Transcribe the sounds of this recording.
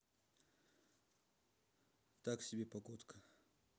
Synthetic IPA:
t̪aksʲɪbʲepɐɡot̪kʰə

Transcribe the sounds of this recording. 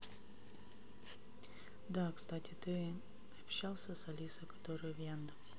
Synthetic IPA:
d̪akst̪atʲɪt̪ɨ | ɐpɕalˠsʲəsɐlʲisəkɐ̥t̪oɾɨjvʲjand̪ə

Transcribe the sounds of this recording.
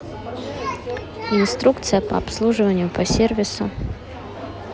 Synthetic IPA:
ɪnst̪ɾukt̪sɨjəpɐ̰ɐ̰pslˠuʐɨvənʲɪjʊpɐsʲervʲɪsʊ

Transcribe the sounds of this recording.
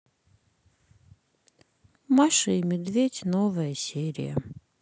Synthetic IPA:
maʂɨimʲɪd̪vʲetʲnovəjəsʲeɾʲɪ̰jə̰

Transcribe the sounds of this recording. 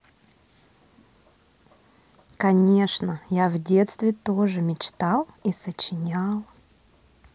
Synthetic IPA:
kɐnʲe̞ʂnəjavdʲe̞t̪st̪vʲɪt̪oʐɨmʲɪt͡ɕt̪alˠisət͡ɕɪnʲalˠ

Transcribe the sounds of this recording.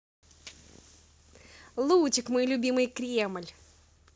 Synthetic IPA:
lˠut͡ɕʲɪkmɔjlʲʊbʲimɨjkɾʲeməlʲ

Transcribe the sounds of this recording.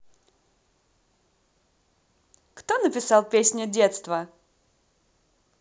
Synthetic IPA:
kt̪onəpʲɪsɑlˠpʲesʲnʲʊdʲet̪st̪və

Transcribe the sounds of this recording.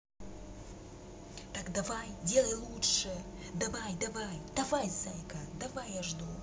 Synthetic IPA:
t̪akd̪ɐvajdʲelˠəjlˠutʂɨ | d̪ɐvajd̪ɐvajd̪ɐvajzajkad̪ɐvajɐʐd̪u

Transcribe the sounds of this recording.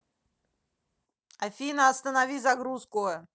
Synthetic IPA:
ɐfʲinəɐst̪ənavʲizaɡɾuskʊ

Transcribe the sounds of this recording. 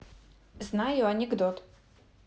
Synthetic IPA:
znajʊɐnʲɛɡd̪ɔt̪

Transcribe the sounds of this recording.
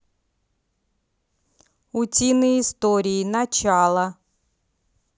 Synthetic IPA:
ʊtʲinɨɪst̪oɾʲiːnɐt͡ɕalˠɐ

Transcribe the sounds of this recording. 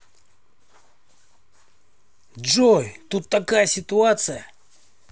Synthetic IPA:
d͡ʐojt̪ut̪ːɐkajəsʲɪt̪ʊat̪sɨjə

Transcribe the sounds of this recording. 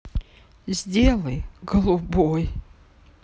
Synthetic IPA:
zʲdʲelˠəjɡəlˠuboj

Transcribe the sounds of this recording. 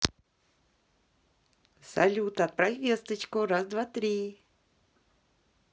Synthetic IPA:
sɐ̰lʲut̪əat̪̚pɾɐvʲest̪ət͡ɕkʊɾazd̪vat̪ɾʲi

